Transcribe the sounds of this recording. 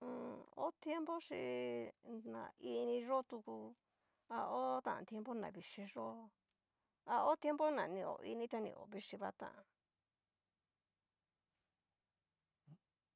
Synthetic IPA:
o̰˦t̪je˦mbo˦ʂi˧ | nã̰˨i˦˧nĩ˧ʐo˦t̪u˧ku˧ | a˧o˦t̪ã̰˧ʔã̰˧t̪e˧mbo˦nã̰˨βi˧ʂi˧ʐo˦ | a˧o˦t̪je˦mbo˦nã˨nĩ˧o̰˨ʔi˧nĩ˦t̪a˧nḭ̃˧o̰˨βi˦ʂi˧βa˦t̪ã̰˧˨ʔã˧

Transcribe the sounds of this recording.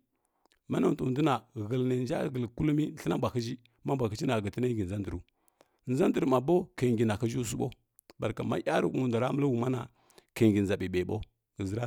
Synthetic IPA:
ma˦na˨n˨tu˨də˦na˨ɣə˨lna˨nd͡ʒa̰˦ɣə˨lku˦lmi˦ɬi˦na˦bʷa˨ki˦d͡ʒi˦ | ma˦mbʷa˨ki˦t͡ʃi˦na˨ɡə˨ti˦na˦ɡi˨n˨za˦ndə˨ɾu˦ | n˦za˦ndə˨ɾma˨bo˦ka˨ŋɡi˨na˨ka˦d͡ʒu˦s̬u˦ɓo̰˦ | ba˨ɾka˨ma̰˦ja˦ɾṵ˦ku˦mu˨nda˨ɾa˦mə˦la˦wu˨ma˦na˨ | ka˨ɡi˨n˨za˨ɓi˨be˨ɓo˦ | ɡə˨zi˦ɾa˦

